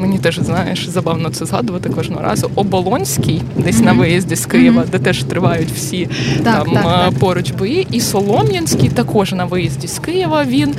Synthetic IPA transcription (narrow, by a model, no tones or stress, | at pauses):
menʲit̪ɛʒznɑjɛʃzɐbɑwnɔt̪sɛzɦɑd̪ʊʋɐt̪ɪkʋɐʒnɔ̰ɦɔ̰ɾɑ̰zʊɔbɔlˠɔnʲsʲkʲɪjd̪ɛsʲnɐʋɪjɐzʲdʲiskɪjɪʋɐd̪ɛt̪ɛʒ̥t̪ɾɪʋɑjʊtʲw̥sʲit̪ɑmt̪pɔɾʊd͡ʒbɔjiʔisɔlˠɔmʲjɐnʲsʲkʲɪjt̪ɐkɔʒnɐʋɪjɐzʲdʲiskɪjɪʋɐʋʲin